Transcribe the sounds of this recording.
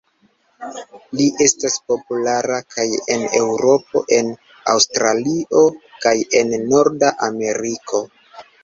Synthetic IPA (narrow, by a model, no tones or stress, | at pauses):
liʔe̞staspo̞pulaɾakʰaje̞ne̞wɾo̞p̚o̞̰ʔe̞n | a̰wstɾalio̞kaje̞nːo̞ɾdaʔame̞ɾikʰo̞